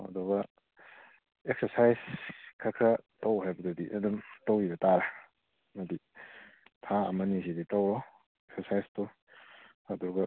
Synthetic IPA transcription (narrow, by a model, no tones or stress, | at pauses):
ɐ̰duɡɐ | ek̚sɐɾsajskʰakʰɐtowɦajbɐdudiʔɐ̰dumtɔwibɐtaɾa | mɐdi | tʰaɐ̰mɐnisiditɔwɾɔ | eksɐɾsajstɔ | ɐduɡɐ